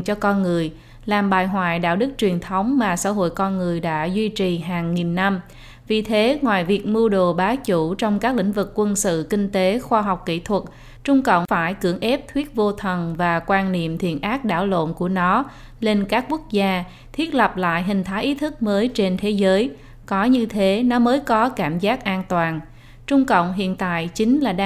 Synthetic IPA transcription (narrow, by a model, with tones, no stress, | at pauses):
t͡ɕɔ˧kɔ˧nŋɨ˨˩əj | laː˨˩mɓaː˨˩jɦwa̰ː˧˨jɗa̰ː˧˥wɗɨ˦˥k̚t͡ɕwi˨˩ənt̪ʰə˨˦wŋ͡mmaː˨˩sa̰ː˧˥ɦo̰˧˨jkɔ˧nŋɨ˨˩əjɗa̰ː˧˥zwi˧t͡ɕi˨˩ɦaː˨˩ŋːi˨˩nːa˧m | vi˨˩t̪ʰe˨˦ŋwa̰ː˨jvi˨˩ək̚mu˧əɗo˨˩ɓaː˨˦t͡ɕu˧˩t͡ɕɔ˧wŋ͡mkaː˦˥k̚lḭ̈˧˥ŋ̟vɨ˨˩kːwə˧nsɨ̰˧˨kï˧ŋ̟t̪e˨˦xwaː˧ɦa˨˩wk͡p̚kḭ˧˩˨t̪ʰwə˨˩t̚ | t͡ɕʊ˧ŋ͡mkə̰˧˨wŋ͡mfaː˧˩jkɨ˧˩əŋʔɛ˦˥p̚t̪ʰwi˦˥ət̚vo˧t̪ʰə˨˩nvaː˨˩kwaː˧nnḭ˧˨əmt̪ʰḭ˧˨ənʔaː˦˥k̚ɗa̰ː˧˩wlo̰˧˨nku˧˩ənɔ˨˦ | le˧nkaː˦˥kːwu˦˥ək̚zaː˧ | t̪ʰwi˦˥ət̚lə˨˩p̚la̰ː˧˨jɦï˨˩ŋ̟t̪ʰaː˨˦jʔi˨˦t̪ʰɨ˦˥k̚məː˨˦jt͡ɕe˧nt̪ʰe˨˦zəː˨˦j | kɔ˨˦ɲɨ˧t̪ʰe˨˦nɔ˨˦məː˨˦jkɔ˨˦kaː˧˩mzaː˦˥k̚ʔaː˧nt̪waː˨˩n | t͡ɕʊ˧ŋ͡mkə̰˧˨wŋ͡mɦḭ˧˨ənt̪a̰ː˧˨jt͡ɕï˨˦ŋ̟laː˨˩ɗ